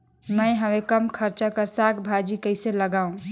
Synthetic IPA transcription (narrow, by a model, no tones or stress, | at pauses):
məɪɦəʋekəmkʰəɾt͡ʃakəɾsakbʱad͡ʒikəɪseləɡaũ